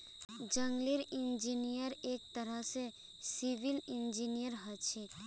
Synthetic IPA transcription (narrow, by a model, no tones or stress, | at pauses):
d͡ʒəŋɡliɾind͡ʒinijəɾek̚t̪əɾəɦse | siʋilind͡ʒinijəɾɦət͡ʃʰɛ